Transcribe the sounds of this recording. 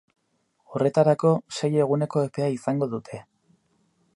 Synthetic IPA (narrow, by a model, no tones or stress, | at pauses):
o̞re̞t̪aɾako̞seje̞ɣ̞une̞ko̞epe̞aisaŋɡo̞ðut̪ʰe̞